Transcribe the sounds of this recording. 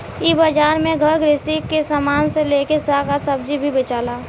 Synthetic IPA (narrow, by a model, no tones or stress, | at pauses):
ibəd͡ʒaːɾmẽɡʱəɾɡɾɪst̪ikːesaːmaːnseleːkesaːkasəb̚d͡ʒibʱibet͡ʃaːlaː